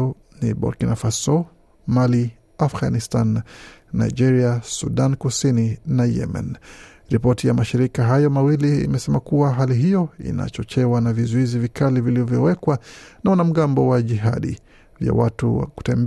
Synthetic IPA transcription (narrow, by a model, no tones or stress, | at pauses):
niɓɔ̰kinafasɔ | mali | afɣanistanːa̰id͡ʒɛɾiasṵɗankusininajɛ̰ma̰n | ɾipɔtijamaʃiɾikaɦajɔmawilḭːmɛsɛmakuwaɦaliɦijɔḭna̰t͡ʃɔt͡ʃɛwanavizɔizivikaliviliɔvjɔwɛkwanawanam̩ɠambɔwaʄiɦa̰ɗḭ | vja̰watṵwa̰ku̥tɛmb